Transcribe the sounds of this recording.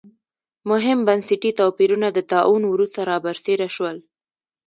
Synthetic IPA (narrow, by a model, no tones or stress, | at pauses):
mʊɦɪmbansiʈit̪opiɾunad̪ət̪ɑʔunwɾust̪aɾɑbaɾseɾaʃwəl